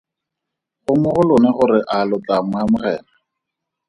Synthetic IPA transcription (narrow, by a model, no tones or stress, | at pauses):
χʊmʊχʊlʊnɛχʊɾɪʔalʊtamamʊχɛːna